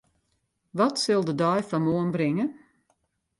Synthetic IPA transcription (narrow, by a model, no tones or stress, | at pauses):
ʋɔtsɪlˠdədɔjfɔmoənbrɪŋə